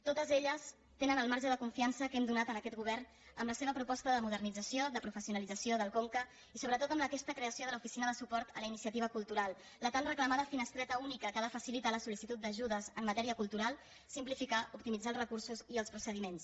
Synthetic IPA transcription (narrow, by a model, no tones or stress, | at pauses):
t̪ot̪əzeʎəs | t̪enənəlˠmaɾʒəðəkuɱfiansəkɛmd̪unat̪ənəkɛt̪̚ɡuβ̞ɛrn | əmləseβəpɾupɔst̪əðəmuð̞ərnid͡zəsjod̪əpɾufəsiunəlid͡zəsioðəlˠkoŋkə | isoβɾət̪ot̪əmləkɛst̪əkɾeəsioðələufisinəðəsupɔɾt̪ələinisiət̪iβ̞əkulˠt̪uɾalˠ | lət̪anrəkləmaðəfinəst̪ɾɛt̪əunikəkaðəfəsilit̪aləsulisit̪ut̪̚d̪əʒuðəzəmːət̪ɛɾiəkulˠt̪uɾalˠ | simplifikaʔup̚t̪imid͡zalˠzrəkuɾsuziəlˠspɾusəð̞imens